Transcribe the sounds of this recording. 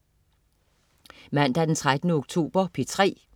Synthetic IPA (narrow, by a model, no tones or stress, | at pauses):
mæn̰d̥æd̥ent͡sʰʁad̥nəoɡ̥̚t͡sʰo̝̰ːb̥ɐpʰit͡sʰʁɛ̰ː